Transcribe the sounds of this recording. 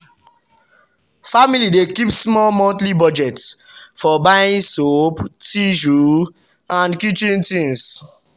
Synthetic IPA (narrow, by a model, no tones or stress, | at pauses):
familidekipsmɔlmɔ̃ntlibɔd͡ʒɛt | fɔbajĩnsoptiʒu | ãnkjut͡ʃĩntĩns